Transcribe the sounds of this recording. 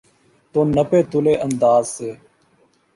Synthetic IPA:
t̪oːnəpeːt̪ʊleːʔənd̪aːzseː

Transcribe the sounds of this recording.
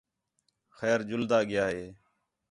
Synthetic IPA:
xɛːɾd͡ʒʊld̪aːɡɪjaːɦeː

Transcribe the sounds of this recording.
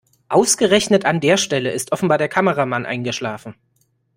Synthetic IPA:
ʔaʊsɡ̥əʁɛçnətandeːɐʃtɛləʔɪstʔɔfn̩baːɐdeːɐkʰaməʁamanʔa̰ɪnɡəʃlaːfn̩

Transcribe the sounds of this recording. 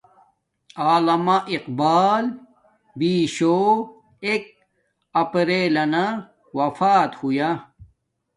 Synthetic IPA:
aːlɐmaʔiqbaːl | biːɕo | ek̚ | ɐpɾeːlɐna | wɐfaːt̪huja

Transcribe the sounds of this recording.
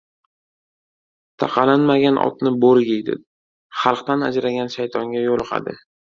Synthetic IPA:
t̪ʰaqʰɑlanmaɡʲanʔɒ̰t̪nɪboɾɡʲejd̪ɪ̰ | χɑlˠqt̪ana̰d͡ʒɾaɡʲanʃajt̪ʰɒŋɡʲajolˠqʰɑ̰d̪ɪ

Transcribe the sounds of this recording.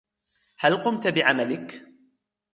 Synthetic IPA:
halqʊmt̪bɪʕamalɪk

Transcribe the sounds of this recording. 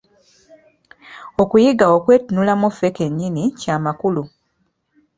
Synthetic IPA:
o̞kujiɡaokwe̞ːtunulamufeke̞ɲːinicaːmakulu

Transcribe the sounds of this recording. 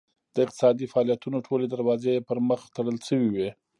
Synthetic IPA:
d̪̥əɪq̚t̪ɪ̥sɑd̪ifaɑlijat̪unoʈʰoled̪aɾwɑzepəɾməxt̪əɽəlʃəwiwi

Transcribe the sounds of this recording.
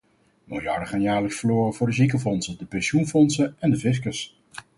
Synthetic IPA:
molˠjɑɹdəχaːnjaːɹləksfəɹloːrəvʊːɹdəzikəfɔnsədəpɛnʃunfɔnsəɛndəvɪs̬kəs

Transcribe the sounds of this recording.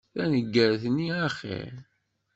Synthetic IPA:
θænəɡːəɾθnːiæχḭ

